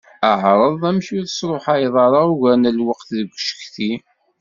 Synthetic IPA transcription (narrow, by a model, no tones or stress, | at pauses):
əʕɾˤəðˤæmʃiðəsɾˤoħajðˤɑɾˤɑuʝænælwəqθðəɡʷːʃə̥kθi